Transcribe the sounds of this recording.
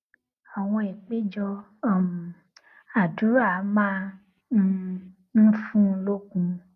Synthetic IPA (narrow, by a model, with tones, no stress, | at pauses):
a˨w̃ɔ̃˧e˨k͡pe˦d͡ʒɔ˧˦˨ | m˨ | a˨du˨˦ɾa˦˨˦mã˦˨ | n̩˦fũ˦˧˦lo˦kũ˧